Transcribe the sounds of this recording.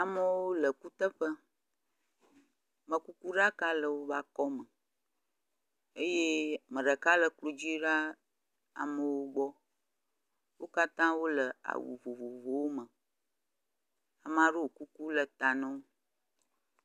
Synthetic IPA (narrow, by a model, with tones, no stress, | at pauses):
a˨mə˨wo˦lə˨ku˦t̪ə˦ɸə˦ | mə̃˨ku˦ku˦ɖa˦ka˦lə˨wo˦va˦kɔ˦mə˨ | e˦je˦mə̃˨ɖə˨ka˦lə˨klo˨d͡ʑi˦ɖa˦ | a̰˨mə̃˨wo˦ɡ͡bɔ˦ | wo˦ka˦t̪ã˦wo˦lə˨a̰˨wṵ˨vo˨vo˨vo˨wo˦mə̃˨ | a˨m˨ã˨ɖo˦wo˨ku˦ku˦lə˨t̪a˨nə̃˦wo˦